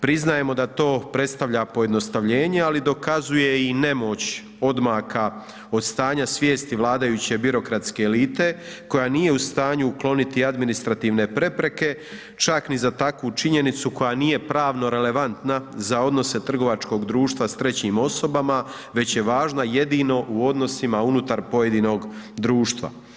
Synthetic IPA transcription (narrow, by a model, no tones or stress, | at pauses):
pɾiznaje̞mo̞d̪at̪o̞ːpɾe̞t̪st̪aʋʎapoje̞d̪no̞st̪aʋʎe̞ːɲe̞alid̪o̞kazuje̞ine̞mo̞t͡ɕ | o̞d̪maka | o̞d̪st̪aːɲasʋje̞ːst̪iʋlˠaːd̪ajut͡ɕe̞biɾo̞kɾat̪ske̞ːliːt̪e̞ko̞janije̞ust̪aːɲuuklˠo̞nit̪iad̪minist̪ɾat̪iːʋne̞pɾe̞pɾe̞ke̞ | t͡ʃaknizat̪akʋut͡ʃiɲe̞nit̪suko̞janije̞pɾaːʋno̞ɾe̞le̞ʋant̪nazao̞d̪no̞se̞t̪r̩ɡo̞ʋat͡ʃko̞ɡd̪ɾuːʃt̪ʋast̪ɾe̞t͡ɕimo̞so̞bama | ʋe̞t͡ɕje̞ʋaːʒnaje̞d̪ino̞ʔuo̞d̪no̞simaunut̪aɾpo̞je̞d̪ino̞ɡd̪ɾuːʃt̪ʋa̰